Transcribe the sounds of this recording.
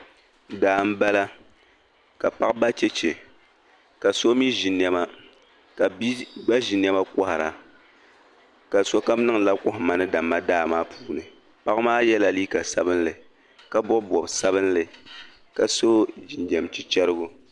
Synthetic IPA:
daː˨m̩˦ba˦la˦ | ka˨pa˦kba˦t͡ʃɛ˦t͡ʃɛ˨ | ka˨so˦mi˦ʒi˨n˨ɛ˦ma˦ | ka˨˦ɡ͡ba˦ʒi˨n˦ɛ˦ma˦kɔ˦hɾa˨ | ka˨so˦ka˦m˦nɨ˦ŋla˦kʊ˦hma˨nɨ˦da˨mːa˦daː˦˨maː˦pʰuː˦nɨ˨ | pa˦kmaː˦jɛ˦la˨li˦ka˨sa˦bɨ˦n˦lɨ˨ | ka˦bʊ˦bɔ˨bsa˦βɨ˦n˦lɨ˨ | ka˨so˦d͡ʒi˨nd͡ʒɛ˨mt͡ʃi˦t͡ʃɛ˦ɾɨ˦ɡʊ˦

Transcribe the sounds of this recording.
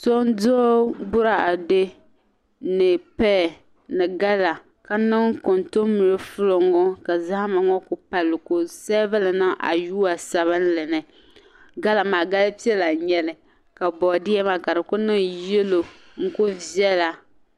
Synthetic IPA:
so˦n˦do˦bʊ˦ɾa˨a˨dɪ˦ | nɨ˨pɛ˦˨ | nɨ˨ɡa˦la˨ | ka˦nɨ˦ŋko˨nto˦mʊ˨ɾɨ˦fʊ˦lo˨ŋɔ˦ka˨za˦ha˦ma˨ŋɔ˦kʊ˦pa˨lːɨ˨ko˦sɛ˦va˦lɨ˨na˦ʔa̰˨juː˦a˨sa˨βɨ˦n˦lɨ˨nɨ˨ | ɡa˦la˨maː˨ɡa˦lpi˦ɛ˦la˨ɲɛ˦lɪ˨ | ka˨bɔ˨dɪ˦ɛ˦ma˦ka˨dɨ˨kʊ˦nɨ˦ŋje˦lo˨ | ŋ̩˦kʊ˦vi˦ɛ˦la˨

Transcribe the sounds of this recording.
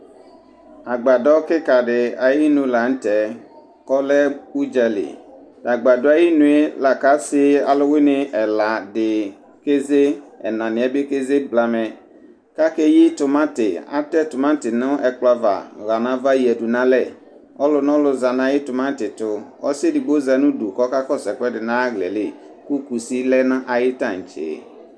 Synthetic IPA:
a˨ɡ͡ba˨dɔ˦kɪ˦ka˨ɖɪ˨a˨ji˦nũ˨la˨n̩˦tɛ˨˦ | kɔ˦lɛ˦u˦d͡ʒɛ˨lɪ̰˨ | da˨ɡ͡ba˨dɔ˦a˨ji˦nũ˨˦e˦la˨ka˦sɪ˦a˨lʊ˦wɪ˦nɪ̃˨ʔɛ˨la˨dɪ˨ | ke˦ze˦ɛ˨nã˨nɪ̃˨ɛ˦be˦ke˦ze˦bla˨mɛ˨ | ka˦ke˦jɪ˦tʊ˨mã˦tɪ˨a̰˦tɛ˦tʊ˨mã˦tɪ˨nʊ̃˦ɛ˨k͡pla˨va̰˨ɣa˨nã˨˦va˦ji˨ɛ˨du˨nã˦lɛ˦˨ | ɔ˦lʊ˨nɔ̃˦lʊ˨za˨nã˨˦jɪ˦tʊ˨mã˦tɪ˨tʊ˨ɔ̰˦se˦dɪ˨ɡ͡bo˦za˨nʊ̃˦du˨kɔ˦ka˦kɔ˦sɛ˨kʷɛ˦dɪ˨nã˦ɣlɛ̰˨lɪ˦˨ | ku˦ku˨si˦lɛ˦nã˦ʔa˨jɪ˦tã˦˨n̩˨t͡ʃḛ˨

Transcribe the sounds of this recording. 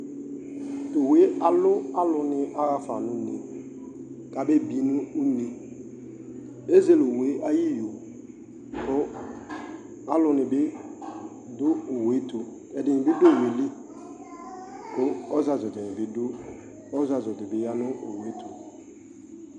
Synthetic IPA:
to˨we˨˦a˨lʊ˦a˦lʊ˨nɪ˦ʔa˦ɣa˦fa˨nʊ̃˦nḛ˨ | ka˨be˦bi˨nʊ̃˦u˦ne˨ | e˦ze˦˨lo˨we˨˦a˦ji˦jo˨ | kʊ˦ | a˦lʊ˦nɪ˨bɪ˦ | dʊ˦o˨we˨˦tu˨ | ɛ˨dɪ˨nɪ̃˨bɪ˦be˦˨we˨le˦ | kʊ˦ɔ˦za˨zʊ˨tɪ˨nɪ˨bɪ˦dʊ˦ | ɔ˦za˨zʊ˨tɪ˨bɪ˨˦ja˦nʊ˦o˨we˦tʰu˨

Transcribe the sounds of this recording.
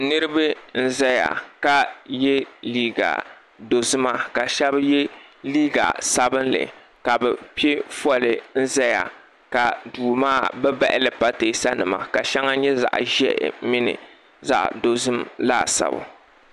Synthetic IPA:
nɨ˦ɾɨ˦bɨ˦n̩˦zɛ˦ja̰˨ka˦jɛ˦liː˦ɡa̰˨ | do˨zɨ˦ma˦ka˨ʃɛ˦bjɛ˦liː˦ɡa̰˨sa˦bɨ˦nlɨ̰˨ | ka˨bɛ˨pi˦e˦fɔ˦lɨ˨n̩˦zɛ˦ja̰˨ | ka˨duː˨maː˦˨bɛ˦ba̰˦ʔɪ˦lɨ˨pa˦teː˨sa˦nɨ˨ma̰˨ka˨ʃɛ˦ŋa˦ɲɛ˦za̰˨ʔʒɛ̰˦ʔmɪ˦nɨ̰˨ | za̰˨ʔdo˨zɨ˦mla̰ː˦sa̰˨bʊ̰˨

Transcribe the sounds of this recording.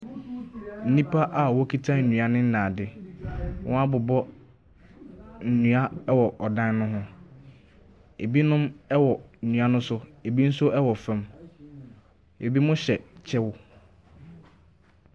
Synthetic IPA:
n̩˦nĩ˦pʰa˦ʔa˦˨wɔ˦kʰi˦tʰã˦n̩˨nũ˨a˦nɪ̃˦n̩˦nãː˨dɪ˦ | wɔ̃˦a˦bʊ˨bɔ˦ | n̩˨nũ˨a˦ɛ˦wɔ˨ʔɔ˨dã˦n˦nʊ̃˦ɦʊ̃˦ | e˨bi˦nʊ̃˦mɛ˦wɔ˨n̩˨ũ˨a˦nʊ̃˦sʊ˦e˨bi˦n̩˦sʊ˦ʔɛ˦wɔ˨fã˦m | e˨bi˦mʊ̃˦ɕɛ˨t͡ɕʰɛ˦wʊ˦

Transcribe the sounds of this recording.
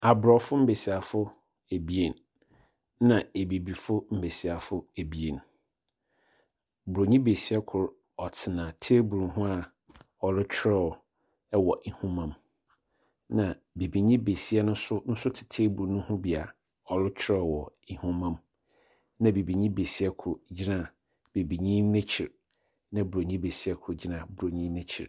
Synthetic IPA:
a˨bɾɔ˨fʊ˦m̩˦be˨si˨a˨fʊ˦ | e˨bi˦e˨n˦ | nã˨e˨bi˨bi˨fʊ˦m̩˦be˨si˨a˨fʊ˦e˨bi˨e˨n | bʊ˨ɾo˨ɲĩ˦be˨si˦a˦kʰʊ˨ɾ | ɔ˨tʰɪ˨nãː˨tʰe˦bu˨ũ˨ɦʊ̃˦a˨ | ɔ˨lʊ˦t͡ɕᶣʰɾɔ˦ɔ˨ | ɛ˦wɔ˨ʔi˦hũ˦mã˦m | nã˨ | be˨bi˨ɲĩ˦be˨si˦ɛ˦nʊ̃˦sʊ˦n̩˦sʊ˦tʰɪ̥˨tʰeː˦bu˨ɾnʊ̃˦hʊ̃˦bi˨a˨ | ɔ˨lʊ˦t͡ɕʰɾɔ˦˨wɔ˨i˨hũ˦mã˦m | nã˨be˨bi˨ɲĩ˦be˨si˦ɛ˦kʰʊ˨ɾd͡ʑi˦nã˨ | b̥e˨bi˨ɲĩ˦nɛ̃˦t͡ɕʰɪ˨ɾ | nã˨bu˨ɾo˨ɲĩ˦be˨si˦ɛ˦kʰʊ˨d͡ʑi˦nã˦˨bu˨ɾo˨ɲĩ˦nɛ̃˦t͡ɕʰɪ̰˨ɾ

